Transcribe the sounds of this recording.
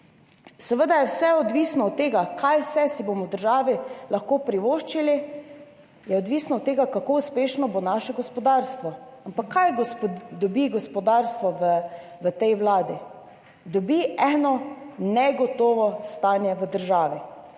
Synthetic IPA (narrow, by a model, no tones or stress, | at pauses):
sɛʋəd̪ajɛwsɛɔd̪ʋiːsnɔɔt̪ːeːɡakʰajwsɛsibomɔwd̪əɾʒaːʋilaxkoːpɾiʋoːʃt͡ʃili | jɛɔd̪ʋisnɔːt̪ːeːɡakakouspeːʃnɔbonaʃɛɡɔspɔd̪aːɾst̪ʋɔampakʰːajɡɔpd̪ɔbiɡɔspɔd̪aːɾst̪ʋɔʋə | ʋət̪ɛjwlaːd̪i | d̪ɔbiʔɛːnɔnɛɡɔt̪oːʋɔst̪aːnjɛʋəd̪əɾʒaːʋi